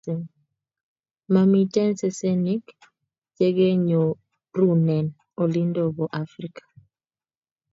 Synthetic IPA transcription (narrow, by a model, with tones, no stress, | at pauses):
ma˨mi˨tɛ˦nsɛ˦sɛ˦ni˦k | d͡ʒe˦ɡe˦ɲo˨ | ɾu˦˨nɛ˨n | o˨li˦ndo˦bɔ˨ʔa˦fɾi˦kḁ˨